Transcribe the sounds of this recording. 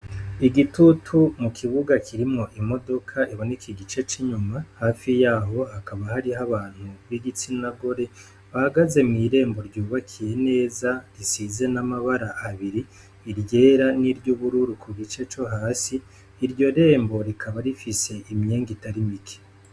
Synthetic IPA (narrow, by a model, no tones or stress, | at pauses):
iɡitutʰumukʰiβuɡakʰiɾimŋo̞ʔimo̞do̞kʰaʔiβo̞ne̞kiɡit͡ʃe̞t͡ʃiɲumahaːfijaːɦo̞hakaβahaɾiɦaβaːn̥huβiɡit͡sinnaɡo̞ɾe̞ | βahaɡaze̞mŋiːɾe̞ːmbo̞ɾɟuːβakʰije̞ne̞ːzaɾisize̞namaβaɾaʔaβiɾiː | ɾɟe̞ːɾaniɾɟuβuɾuɾukʰuɡit͡ʃe̞t͡ʃo̞ɦaːsiː | ɾɟo̞ɾe̞ːmbo̞ɾikʰaβaɾifise̞ʔimɲe̞ːŋɡitaɾimikʰe̥